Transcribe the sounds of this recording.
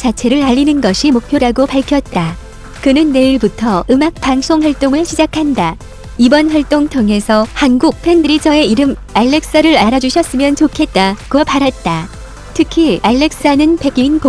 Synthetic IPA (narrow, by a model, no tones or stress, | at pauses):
t͡ɕat͡ɕʰe̞ɾɯɭaʎːinɯnɡʌɕʰimok̚pʰjoɾaɡopaɭkʰjʌt̚t͈a | kɯnɯnːe̞iɭbutʰʌɯmak̚p͈aŋsʰoŋɸwaɭt͈oŋɯɭɕʰid͡ʑakʰanda | ibʌnɸwaɭt͈oŋtʰʌŋe̞sʰʌhanɡuk̚pʰe̞ndɯɾid͡ʑʰʌe̞iɾɯm | aɭːe̞k̚s͈ʌɾɯɾaɾad͡ʑuɕʰjʌs͈ɯmjʌnt͡ɕokʰe̞t̚t͈akopaɾat̚t͈a | tʰɯkʰiaɭːe̞k̚s͈anɯnpeɡinp